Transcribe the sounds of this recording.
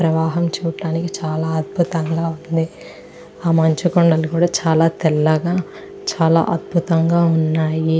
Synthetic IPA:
pɾɐʋaːɦɐmt͡ʃuːɐɽaːnikit͡ʃaːlaːɐd̪̚bʱut̪ɐŋɡaːund̪i | aːmɐɲt͡ʃukɔɳɖɐlukuːɽaːt͡ʃaːlaːt̪ɛlːɐɡaː | t͡ʃaːla̰ːʔɐd̪̚bʱut̪ɐŋɡaːunːaːji

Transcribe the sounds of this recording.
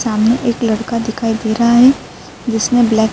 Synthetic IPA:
saːmneʔeːklɐɽkad̪ɪkʰaːid̪eːɾaɦaɦɛ | d͡ʒɪsnẽblɛːk

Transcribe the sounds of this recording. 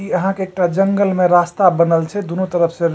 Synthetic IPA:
iəɦãkeːk̚ʈad͡ʒəŋɡəlmẽɾast̪abənəlt͡ʃʰɛd̪unot̪əɾəpʰsẽ

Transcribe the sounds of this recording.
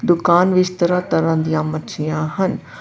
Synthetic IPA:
d̪ʊkaːnʋɪst̪əɾaːt̪əɾãːd̪ijãmətʃijãːɦən

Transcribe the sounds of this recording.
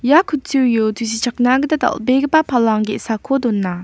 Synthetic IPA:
jakʰut͡sʰujot̪ʰusit͡ɕʰak̚nakət̪at̪a̰ʔbekpapʰalɑŋɡḛʔsakʰod̪onːa

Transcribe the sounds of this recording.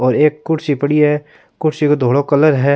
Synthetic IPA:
ɔːɾeːkːʊɽsipɐɽiɦɛ | kʊɽsikod̪ʱoːɽokɐləɾɦɛː

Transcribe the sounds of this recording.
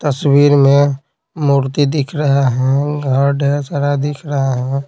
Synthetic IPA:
t̪əswiːɾmẽ | muːɾt̪id̪ɪkʰɾəɦaɦɛ̃ɡʱəɾɖʱeɾsəɽad̪ɪkʰɾəɦaɦɛ̃ː

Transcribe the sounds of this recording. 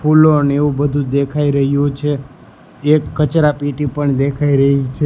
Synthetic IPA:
fuloəneʋũbəd̪ʱũd̪ekʰaiɾəɦjũt͡ʃʰeː | kːət͡ʃɾapiʈipəɳd̪ekʰaiɾəɦit͡ʃʰe

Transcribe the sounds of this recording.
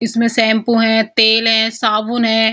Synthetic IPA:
ɪsmẽsɛ̃ːmpũɦɛ̃t̪eːlɦɛ̃ːsaːbʊnɦɛ̃ː

